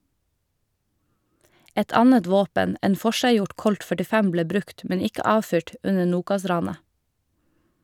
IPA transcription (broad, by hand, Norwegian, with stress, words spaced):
ˈɛt ˈɑnət ˈʋoːpən ˈeːn ˈfɔʃæɪˌjʊʈ ˈkɔlt fœʈɪˈfɛm ˈbleː ˈbɾʉkt ˈmɛn ˈɪkə ˈɑːˌfyːʈ ˈʉnə ˈnuːkɑˌsɾɑːnə